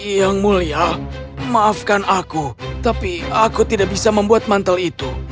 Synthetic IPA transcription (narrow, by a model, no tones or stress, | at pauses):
jaŋmulia | maːfkanakut̪apiakut̪idaʔ̚bisaməmbuat̪̚mant̪alit̪u